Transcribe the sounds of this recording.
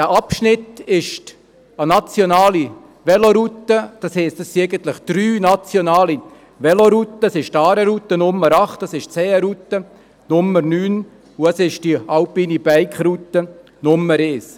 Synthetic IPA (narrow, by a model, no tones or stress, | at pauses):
dæːʔɑpʃnɪtɪʃt | ənat͡sjonɑːli | ʋɛloɾut̪ːəd̥ɑshɛɪstɑssiɛɡənt̪lɪχd̥ɾyːnat͡sjonɑːli | ʋɛloɾut̪ːəsɪʃtɑːɾəɾut̪ːənʊmːəɾɑχtɑsɪʃt͡sɛːɾut̪ːə | nʊmːərnyːn | ʊɛsɪʃd̥iɑlpiːnib̥ɛɪkχɾut̪ːə | nʊmːəɾɛːs